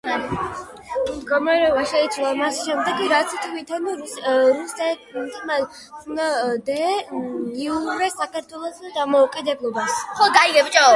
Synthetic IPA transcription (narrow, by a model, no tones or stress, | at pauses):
md̪ɡɔmaɾɛɔbaʃɛit̪sʰwlˠamasʃɛmd̪ɛɡiɾat̪sʰit̪ʰvit̪ʰanuɾusɛt̪ima | ad̪ɛ | iuɾɛsakʰaɾt̪ʰwɛlˠɔsad̪amɔukʼid̪ɛblˠɔbasχɔɡaiɡɛpt͡ʃʼɔ